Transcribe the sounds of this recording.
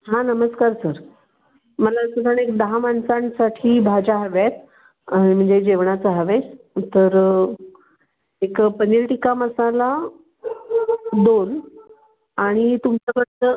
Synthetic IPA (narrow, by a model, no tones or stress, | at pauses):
ɦãnəməskaɾsəɾ | məlasuʈ̪ʰaɳekd̪əɦamansãnsaʈʰiːbʱad͡ʑaɦəʋjat̪̚ | aɽ̃im̤əɳd͡zed͡ʑeʋɳat͡səɦəʋes | t̪əɾ | ekpənilʈikaməsala | d̪on | aɽ̃it̪umt͡sakəɽt̪ə